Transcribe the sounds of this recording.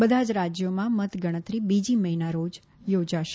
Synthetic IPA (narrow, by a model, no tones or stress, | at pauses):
bəd̪ʱad͡ʒɾad͡ʒjomãmət̪ɡəɽ̃ət̪ɾibid͡ʒiməɦinaɾod͡ʒ | jod͡ʒaʃ